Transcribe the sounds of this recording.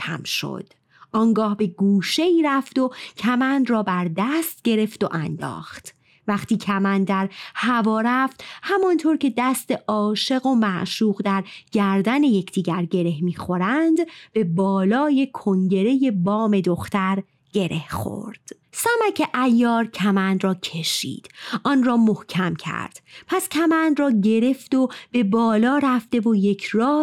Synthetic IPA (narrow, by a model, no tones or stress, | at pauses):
cʰæ̰mʃo̰d̪̥ | ʔɒːŋɡɒːhbe̞ɡuːʃe̞iːɾæft̪o̞cʰæmænd̪rɒːbæɾd̪æst̪ɟe̞ɾe̞ft̪o̞̰ʔænd̪ɒ̰ːχt̪ | væχt̪iːcʰæmænd̪æɾhævɒːɾæft̪hæmɒnt̪ʰoɾkcʰe̞d̪æst̪e̞ʔɒːʃe̞ɣo̞mæʔʃuːɣd̪æɾɡæɾd̪æne̞je̞cʰd̪iːɟæɾɟe̞ɾe̞hmiːxo̞ɾænd̪b̥e̞bɒːlɒːjekʰoŋɟe̞ɾe̞je̞bɒːme̞d̪oxt̪æɾ | ɟe̞ɾe̞hxo̰ɾd̪̥ | sæmæcʰeʔæjːɒːɾcʰæmænd̪rɒːcʰe̞ʃḭːd̪̥ʔɒːnrɒːmohcʰæmcʰæ̰ɾd̪̥pʰæscʲʰæmænd̪rɒːɟe̞ɾe̞fd̪ob̥e̞bɒːlɒːɾæft̪e̞vo̞je̞cʰɾɒː